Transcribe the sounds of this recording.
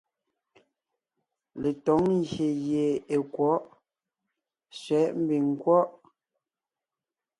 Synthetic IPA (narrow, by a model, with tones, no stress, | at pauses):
le˨tɔ˨˦ŋɣje˨je˨e˨kwɔ˨˦ʔ | sɥɛ˨˦ʔm̩˦bi˨ŋ˨kwɔ˦ʔ